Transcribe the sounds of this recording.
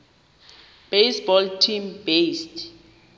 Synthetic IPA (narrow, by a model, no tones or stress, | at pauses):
b̥ejsbɔltʰimbest